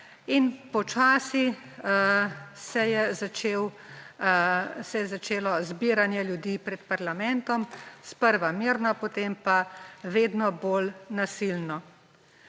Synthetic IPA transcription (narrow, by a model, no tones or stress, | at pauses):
inpɔt͡ʃaːsi | sɛjɛzat͡ʃeːw | sɛjɛzat͡ʃeːlɔzbiɾanjɛljud̪iːpɾɛt̪paɾlamɛnt̪ɔmspəɾʋamiɾnapot̪eːmpaʋeːd̪nɔbolnasilnɔ